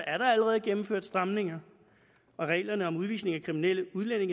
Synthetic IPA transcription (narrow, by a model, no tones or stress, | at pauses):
æɐɾ̥ɑ̈æləʁɛːð̞̩ˠɡ̥emm̩føɐd̥sd̥ʁɑ̈mne̝ŋɐ | ɒ̽ʁɛ̰ːlɐnəɒ̽muð̞ˠʋḭːsne̝ŋækʰʁiminel̰əuð̞ˠlene̝ŋ